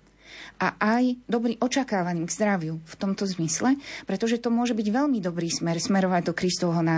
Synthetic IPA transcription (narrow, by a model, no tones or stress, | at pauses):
ʔaʔajd̪ɔbɾiːʔɔt͡ʃakaːʋaniːmɡzd̪ɾaʋjuft̪ɔmt̪ɔzmislɛpɾɛt̪ɔʒɛt̪ɔmʊɔʒɛbiɟʋɛʎmid̪ɔbɾiːsmɛɾsmɛɾɔʋaɟd̪ɔkɾist̪ɔʋɦɔna